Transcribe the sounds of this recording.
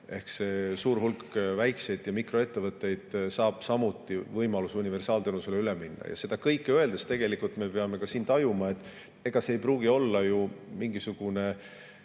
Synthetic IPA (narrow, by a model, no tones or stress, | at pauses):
e̞hkse̞suːɾɦulkvæjksejd̪̥jɑmikro̞e̞t̪ːe̞vɤt̪ːˑe̞jd̪̥sɑːb̥sɑmut̪ːˑivɤjmɑlusunive̞rsɑːlt̪enuseleyleminːɑ̰jɑ̰se̞d̪̥ɑkɤjkːˑeøe̞ld̪est̪e̞ɡ̥e̞likult̪ˑme̞pe̞ɑme̞kɑsiːnt̪ɑjumɑe̞t̪ːˑ | e̞ɡ̥ɑse̞ːjpruːɡ̥io̞lːɑjumiŋɡ̥isuɡ̥une̞